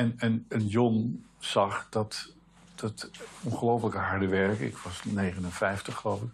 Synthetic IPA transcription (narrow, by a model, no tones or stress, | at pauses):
ɛnɛnənjɔnz̥ɑχd̥ɑt | d̥ɑtɔnχəlowfələkəɦɑɹdəʋɛɹkɪ̰kʋɑsnejχənənfɛjftəχəlowfɪk